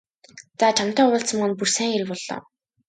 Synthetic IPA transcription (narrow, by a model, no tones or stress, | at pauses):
t͡sat͡ɕʰam̥t̪ɔːʊːɬt͡sə̆mɔnpursæːŋeɾɘ̆kpɔɮːɔ̰ː